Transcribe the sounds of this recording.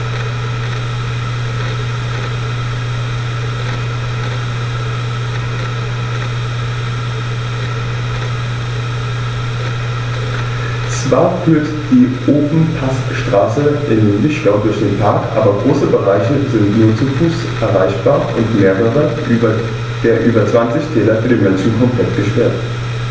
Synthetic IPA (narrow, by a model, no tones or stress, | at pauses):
t͡sv̥aːɐfyːɐt | d̥iːʔoːfn̩pʰastʃtʁ̥aːsəʔɪnvɪʃɡ̥aʊdʊɐçd̥eːnpʰaɐkʔa̰ːbɐɡʁoːsəbəʁaɪçəzɪntnuːɐt͡sufuːs | ʔɛɐʁaɪçb̥aːɐʔʊntmeːʁəʁə | d̥eːɐʔyːbɐt͡sv̥ant͡sɪçtʰɛːlɐfyːɐdeːnmɛnʃn̩kʰɔmpʰl̥ɛtɡ̥əʃpɛɐt